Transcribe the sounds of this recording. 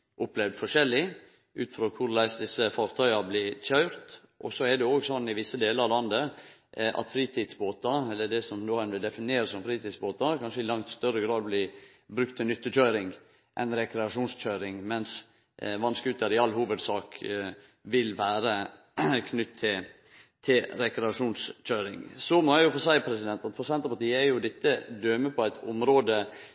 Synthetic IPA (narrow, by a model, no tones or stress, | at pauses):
ʔʊplɛʋd̪fɔʂɛlːɪ | ʔʉ̰ːt̪fɾoːkʰʊɾlæɪsd̪ɪsːəfɑːɾt̪ʰœʏɑblɪc͡çœʏɾt̪ | ʔɔ̰sɔɛd̪ɛoːɡsɔnːɪʋɪsːəd̪eːləɾɑlɑnd̪ə | ʔɑ̰t̪fɾiːt̪ʰiːd̪sboːt̪ɑɛlːəɖɛsɔmnoːɛnʋɪld̪ɛfɪnɪeːɾəsɔmfɾiːt̪iːd̪sboːt̪ɑɾkʰɑnʂəɪlɑŋt̪st̪œɾəɡɾɑːd̪̚blɪ | bɾʉkt̪ʰːɛnʏt̪ːəc͡çœʏɾɪŋ | ʔɛnɾɛkɾɛɑʂuːnsc͡çøːɾɪŋmɛns | ʋɑnskəʉt̪ːəɾɪɑlːɦuːʋəd̪sɑːk | ʋɪlʋæːɾə | kʰnʏt̪ʰːɪ | t̪ʰɪɾɛkɾɛɑʂuːnsc͡çøʏɾɪ̰ŋsɔmɔjæɪjʊfɔsæɪpʰɾɛsɪd̪ɛnt̪ɑt̪fʰʊsɛnt̪ɑpʰɑʈ̪iːəæɾjʊd̪ɛt̪ːəd̪øːməpʰɔæɪt̪ʰʊ̰mɾoːd̪ə